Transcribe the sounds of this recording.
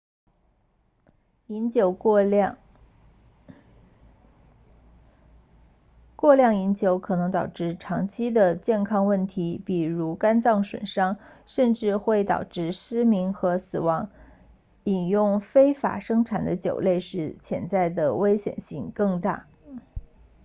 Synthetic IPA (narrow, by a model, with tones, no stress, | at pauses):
i˧˥nt͡ɕjo˧˥ʊ | kwɔ˥˧ljɑ˥˩ŋi˧˥nt͡ɕjo˧˥ʊkʰɤ˨˩nɤ˧˥ŋt̪ɑ˨˩ʊʈ͡ʂɻ̩˥˩ʈ͡ʂʰɑ˧˥ŋt͡ɕʰi˥d̪ə˨t͡ɕjɛ˥˩nkʰɑ˥ŋwə˥˩nt̪ʰi˧˥pi˨˩ɻu˧˥ka˥nt͡sɑ˥˩ŋʂwə̰˨˩nʂɑ˥ŋ | ʂə˥˧nʈ͡ʂɻ̩˥˧xwe˥˩ɪt̪ɑ̰˨˩ʊʈ͡ʂɻ̩˥˩ʂɻ̩˥mi˧˥ŋxɤ˧˥sɹ̩˨˩wɑ˧˥ŋ | i˨˩njʊ˥˩˧ŋfe˥ɪfa̰˨˩ʂɤ˥ŋʈ͡ʂʰa˨˩nd̪ə˦t͡ɕjo̰˨˩ʊle˥˧ɪʂɻ̩˧˥t͡ɕʰjɛ̰˧˥nt͡sa˥˩ɪd̪ə˩we˥ɪɕjɛ̰˨˩nɕi˥˧ŋkɤ˥˧ŋt̪a̰˥˩